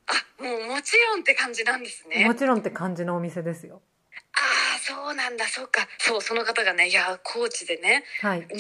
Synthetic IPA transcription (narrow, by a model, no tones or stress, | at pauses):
amoːmo̞t͡ɕiɾõ̞nt̪e̞kãɲ̟d͡ʑinãnd̪e̞sɨnemo̞t͡ɕiɾõ̞nt̪ːe̞kãɲ̟d͡ʑinoːmʲise̞d̪e̞sɨjo | aːso̞ːnãnd̪aso̞kːaso̞ːso̞no̞kat̪aɡane̞jakʰo̞ːt͡ɕid̪e̞nehai